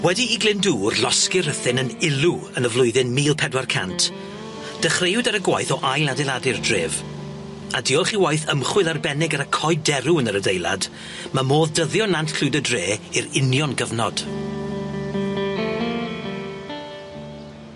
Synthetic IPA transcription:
wɛdiiɡlɪnduːrlɔskɪɾəθɪnənɪlˠuənəvlˠʊjðɪnmiːlˠpʰɛdwarkʰa̰ntʰ | d̥əχrejʊdaɾəɡwajθɔʔajlˠadɛlˠadɪrdrḛːv | adiɔlˠχiwajθəmχwɪlˠarbɛnɪɡaɾəkʰɔɨdɛɾuənəɾədejlˠa̰d | mamoːðdəðjɔnantkʰl̥ɪdədreːiɾɪnjɔnɡəvnɔd̥

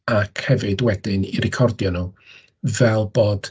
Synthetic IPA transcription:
akʰhɛvɨdwɛdɨniɾɪkʰɔrdjɔnu | vɛlˠboːd̥

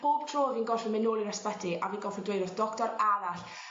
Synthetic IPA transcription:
pʰoːb̥tʰroːviːnɡɔlˠfəmɛnoːlˠinaspɛdiʔaviːnɡɔlfidwejɾɔθd̥ɔktɔɾaɾaɬ

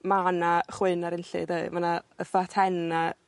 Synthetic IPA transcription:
manaχwɨnaɾɪnɬɨ̰deɨmanaəfatʰɛna

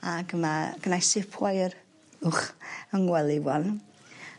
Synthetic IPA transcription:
aɡəmaɡ̥ənajsɪpʰwajr | ʊχəŋwɛlˠɪwɔn

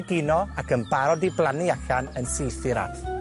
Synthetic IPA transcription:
ɡɪnɔakʰənbaɾɔdiblˠaniaɬanənsejθɨɾa̰θ

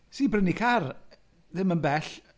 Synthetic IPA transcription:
siːbrənikʰar | ðɪmənbɛɬ

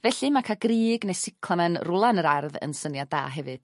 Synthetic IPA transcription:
vɛɬɨmakʰaɡriːɡnɛsɪkʰlˠamanrʊlˠanəɾarðə̰nsənjada̰ːɦɛvɨd̥

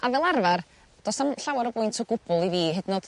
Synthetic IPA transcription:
avɛːlˠarvar | d̥ɔsamɬawaɾɔbʊɨntʰɔɡʊbʊlˠiviːɦədnɔd̥

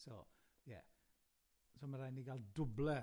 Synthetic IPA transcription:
so̰ | jɛ̰ | somaɾajniɡalˠdʊblɛ

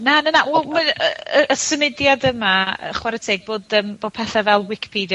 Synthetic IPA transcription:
nanənawɛmanəəʔəsəmɪdjadəmaə̰χwaɾətʰeːɡ̚boːdəːmb̥oːd̥̚pʰɛθavɛlˠwɪkʰpʰid

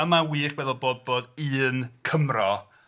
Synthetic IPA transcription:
əmawiːχwɛðɔlˠboːd̚boːdɨːnkʰəmrɔ

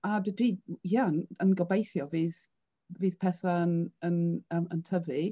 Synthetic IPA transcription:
adədiːjaənənɡɔbejθjɔviːð | viːð̥pʰɛθaənənəːmə̰ntʰəvɨ

